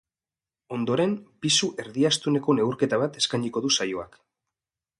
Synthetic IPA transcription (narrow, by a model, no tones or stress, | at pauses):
o̞nd̪o̞ɾe̞mpisuʔe̞ɾðiast̪une̞ko̞ne̞uɾke̞t̪aβ̞at̪e̞skajndiko̞ðusajoa̰k